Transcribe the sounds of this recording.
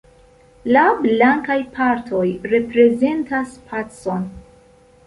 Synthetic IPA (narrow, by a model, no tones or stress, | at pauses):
lablaŋkajpʰaɾtʰo̞jɾe̞pɾe̞ze̞ntaspʰat͡so̞n